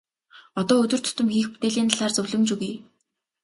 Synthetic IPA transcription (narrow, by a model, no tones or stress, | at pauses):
ɔt̪ɔːɵt̪ɵ̆rt̪ʰɵ̥t̪ɵ̆mxiːxpu̥t̪eːɮiːnt̪aɮaːrt͡sɵwɮɵ̆mt͡ɕuɣij